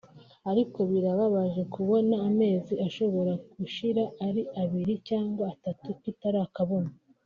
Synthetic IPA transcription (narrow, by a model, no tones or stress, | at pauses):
aɾiko̞βiɾaβaβaʒe̞kuβo̞naːme̞ːziaʃo̞βo̞ɾakuʃiɾaaɾiʔaβiɾicaːŋɡwaːtatukitaɾakaβona